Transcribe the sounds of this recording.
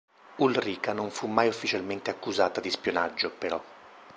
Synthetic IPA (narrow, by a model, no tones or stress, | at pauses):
ulriːkanoɱfumːajufːit͡ʃalment̪eakːuzaːt̪ad̪ispjonad͡ʒːopeɾɔ